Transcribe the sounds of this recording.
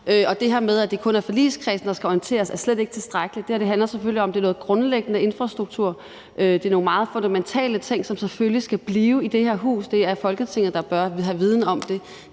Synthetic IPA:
ʔøɒ̽d̥e̝ɦæɐmeð̞ˠæd̥e̝kʰɔ̽næɐfɒ̽lḭskʰʁɛːsn̩d̥ɑ̈sɡ̥æɒient͡sʰe̝̰ːɐsæɐsled̥e̝ɡ̥ə̥t͡sʰe̝sd̥ʁaɡ̥əlid̥e̥hæɐd̥e̝ɦænlɐseføliɒ̽md̥e̝æɐnɔ̽ːð̩ˠɡ̥ʁɔ̽nleɡ̥ənəe̝nfʁɑ̈sd̥ʁuɡ̥̚t͡sʰuɐ̰ | ʔød̥e̝ɐno̝ːŋn̩mɑ̈ːð̞̩ˠfɔ̽nd̥æment͡sʰɛ̰ːlət͡sʰe̝ŋ̰sɒ̽mseføllisɡ̥æb̥liːʊid̥e̝heɐɦṵːsd̥e̝æɐfɒ̽lɡ̥ət͡sʰe̝ŋð̩ˠd̥ɑ̈b̥ɶɐɦæʋið̞ˠn̩ɒ̽md̥e̝

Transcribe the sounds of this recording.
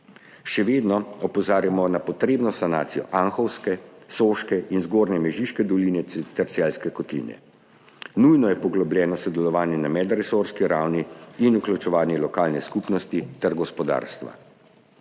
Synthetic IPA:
ʃɛʋeːd̪nɔɔpɔzaːɾjamɔnapɔt̪ɾeːbnɔsanaːt̪sijɔ̰ʔanxɔwskɛsoʃkɛʔinzɡoːɾnɛmɛʒiʃkɛd̪ɔliːnɛt̪ɛɾt̪sɛlskɛkɔt̪lḭːnɛ̰ | nujnɔjɛpɔɡlɔblʲɛːnɔsɔd̪ɛlɔʋaːnjɛnamɛd̪ɾɛsoɾskiɾawniːnuklut͡ʃɛʋaːnjɛlɔkaːlnɛskupnɔst̪it̪ɛɾɡɔspɔd̪a̰ːɾst̪ʋa̰

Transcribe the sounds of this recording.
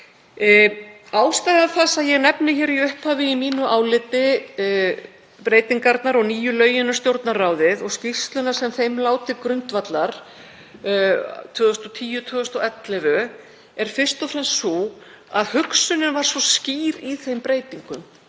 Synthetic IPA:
aːwst̪ajɣaθasaðjɛɣnɛpnɪçɛːɾiʏhphavɪimiːnʏʔaːwlɪt̪ːɪ | pɾeːjt̪iŋkaɾt̪naɾɔɣniːjʏlœːɥjʏnʏst̪jowɾt̪naɾraːwðɪðɔɣscist̪lʏnaɾ̥sɛmθejmlaːwt̪ɪkɾʏnt̪vat̪laɾ̥ | t̪ʰvʏːðʏst̪ɔt̪ʰiːjʏt̪ʰvœːðʏst̪ɔɛt̪lɛvʏ | ɛɾ̥fɪr̥st̪ɔfɾɛnsːɔ | aðhʏksʏnɪnvaɾ̥svɔsciːɾiθejmpɾeːjt̪iŋkʏm

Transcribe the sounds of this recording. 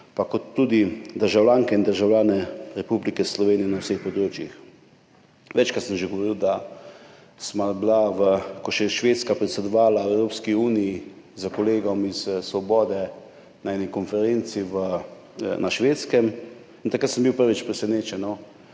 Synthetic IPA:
pakɔt̪ːuːd̪id̪əɾʒawlʲaːŋkɛind̪əɾʒawljaːnɛɾɛpublikɛslɔʋeːnijɛnawsexpɔd̪ɾoːt͡ʃjix | ʋɛt͡ʃkɾat̪səmʒeɡɔʋɔɾiːwd̪a | smablaʋəkɔʃɛʃʋeːt̪skapɾɛt̪sɛd̪ɔʋaːlaɛwɾoːpskiuːniji | zəkɔleːɡɔmissʋɔbɔːd̪ɛ | naɛnikɔnfɛɾent̪siʋə | nʔaʃʋeːt̪skɛm | int̪akɾat̪səmbiwpəɾʋit͡ʃpɾɛsɛneːt͡ʃɛnɔ

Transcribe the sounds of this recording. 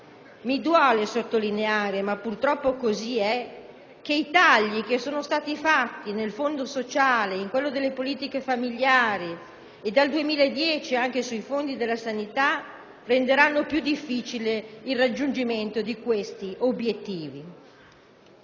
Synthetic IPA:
mid̪wɔːlesot̪ːolineaːɾemapːurt̪ɾɔpːokoziɛ | k̟eit̪aʎːikesoːnost̪aːt̪ifat̪ːinelfond̪osot͡ʃaːleiŋkwelːod̪elːepoliːt̪ikefamiʎjaːɾi | ed̪ald̪uemiːlaed̪ːjɛːt͡ʃiaŋk̟esuifond̪id̪elːasanit̪a | rend̪eɾanːopjud̪ːifːiːt͡ʃileilrad͡ʒːund͡ʒiment̪od̪ikwest̪iʔobjet̪ːiːvi

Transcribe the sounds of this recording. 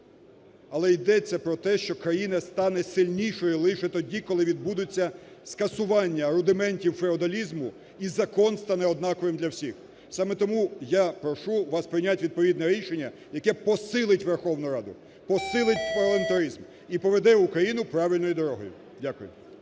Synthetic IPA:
ɐlˠɛjd̪ɛt͡sʲːɐpɾɔt̪ɛʃt͡ʃɔkɾɐjinɐst̪ɑnɛsɪlʲnʲijʃɔjɔlˠɪʃɛt̪ɔdʲikɔlˠɪʋʲid̪̚bud̪ʊt͡sʲːɐskɐsʊʋɑnʲːɐɾʊd̪ɪmɛnʲtʲiwfɾeɔd̪ɐlʲizmʊ | izɐkɔnst̪ɑnɛɔd̪nɑkɔʋɪmd̪lʲɐwsʲix | sɑmɛt̪ɔmujapɾɔʃuʋɑspɾɪjnʲatʲʋʲid̪̚pɔʋʲid̪nɛɾʲiʃenʲːɐjɐkɛpɔsɪlˠɪtʲʋerxɔwnʊɾɑd̪ʊ̰ | pɔsɪlˠɪt̚ʲpɐlˠɐnt̪ɐɾizm | ipɔʋed̪ɛʊkɾɐjinʊpɾɑʋʲɪlʲnɔjd̪ɔɾɔɦɔ̰jʊ̰ | dʲakʊjʊ̰

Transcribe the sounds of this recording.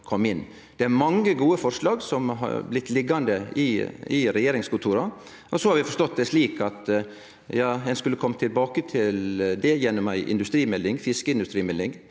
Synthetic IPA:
kʰɔmːɪnː | d̪̥ɛæɾmɑŋːəɡuːəfɔɾʂlɑːɡsɔmɦɑ̰ɾblɪt̪ːlɪɡːɑnd̪əɪ̰ɪɾɛjeːɾɪŋskʰʊlt̪ʰuːɾɑ | ʔɔsɔhɑɾʋɪfɔʂt̪ɔt̪̚d̪ɛsliːkɑt̪ | jɑːɛnskʉlːəkʰɔmːt̪ʰɪlbɑːkət̪ʰɪld̪ɛjɛnːɔmæɪʔɪ̰nd̪ʉst̪ɾiːmɛlːɪŋfɪskəɪnd̪ʉst̪ɾiːmɛlːɪŋ

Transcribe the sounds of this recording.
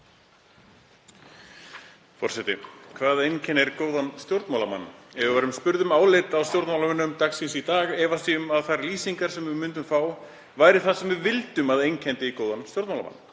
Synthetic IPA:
fɔ̰r̥sɛt̪ɪkʰvaːðejncʰɛnːɛɾkoːwðanst̪jowɾt̪mawlama̰nːɛvavaɾʏmspʏɾðʏmaːwlejt̪awst̪jowɾt̪mawlamʏnːʏmt̪aksinsit̪aːɣɛːvasiʏmaðθaɾliːsiŋkaɾ̥sɛmvɪmʏnt̪̬ʏmfaːw | vaːjɾɪθaðsɛmvɪvɪlt̪ʏmaðejncʰɛnt̪ɪikoːwðanst̪jowɾt̪mawlama̰nː

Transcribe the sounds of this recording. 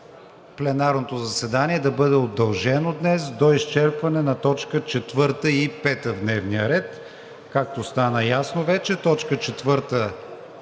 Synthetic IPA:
plɛnaɾnot̪ozɐsɛd̪aniɛd̪ɐbɤd̪ɛod̪ːɐlˠʒɛnod̪nɛsd̪oist͡ʃɛɾpvɐnɛnɐt̪ɔt͡ʃkət͡ʃɛt̪vɤɾt̪əipɛt̪əvd̪nɛvniəɾɛt̪ | kak̚t̪ost̪anəjasnovɛt͡ʃɛt̪ɔt͡ʃkət͡ʃɛt̪vɤɾt̪ə

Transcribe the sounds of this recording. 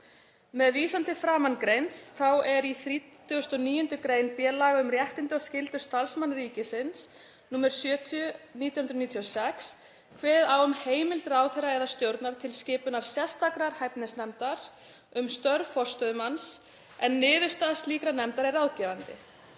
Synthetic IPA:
mɛðviːsant̪ɪfɾaːmankɾejnt̪sθawɛɾiθɾiːt̪ | ʏʏst̪ɔniːjʏnt̪ʏkɾeːjnpjɛːlaɣaʏmrjɛht̪ɪnt̪ɪɔscɪlt̪ʏ̥st̪alsmanɾiːcɪsɪns | nuːmɛɾ̥sjœːt̪ʰʏniːt̪jhʏnɾʏniːt̪ʰjɔsɛks | kʰvɛːðawʏmheːjmɪlt̪ɾaːwθɛɾaɛðast̪jowɾt̪naɾ̥t̪ʰɪlscɪːpʏnaɾ̥sjɛst̪akɾaɾ̥hajpnɛsnɛmt̪aɾ̥ | ʏmst̪œɾfɔr̥st̪œðʏmans | ɛnːɪːðʏst̪aðst̪liːkɾanɛmt̪aɾɛɾaːwcɛːvant̪ɪ̰

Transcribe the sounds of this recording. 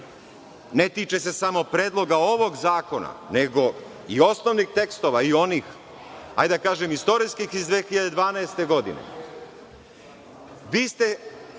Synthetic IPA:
ne̞t̪iːt͡ʃe̞se̞samo̞pɾe̞ːd̪lˠo̞ɡao̞ʋo̞ɡzaːko̞na̰neɡo̞ | io̞snoʋnixt̪e̞kst̪o̞ʋaio̞niːx | a̰jd̪akaːʒemist̪o̞ɾiskixizd̪ʋeːxiʎad̪e̞d̪ʋaːnaest̪e̞ɡo̞d̪ḭnḛ | ʋiːst̪e̞

